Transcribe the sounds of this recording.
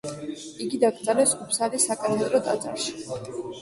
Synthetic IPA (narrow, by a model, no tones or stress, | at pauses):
iɡid̪aɡɾʼaɾɛsupʰsalisakʼanɛmɛd̪ɾɔt̪ʼa̰d̪zʼa̰ɾʃi̥